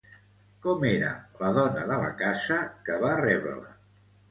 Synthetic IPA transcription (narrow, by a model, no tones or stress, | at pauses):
kɔmeɾə̰ləðɔnəðələ̰kasəkəβarɛβɾə̰lə